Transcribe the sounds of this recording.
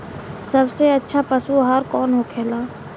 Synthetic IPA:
sɐbseɐtːʃʰapɐsuɦaːɾkɔːnɦokʰeːlaː

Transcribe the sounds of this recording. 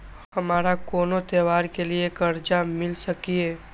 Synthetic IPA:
hhɐmaːɾakoːnot̪eːʋaːɾkeliekəɾd͡ʒamɪlsəkieː

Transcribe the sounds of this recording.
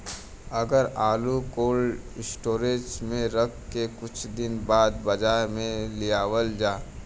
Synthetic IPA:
ɐɡəɾaːlukoːl | ɪsʈoːɾeːsmẽɾɐk̚ʰːekʊt͡ʃʰd̪ɪnbaːd̪bɐd͡ʒaːɾmẽlɪjaːwəld͡ʒaː

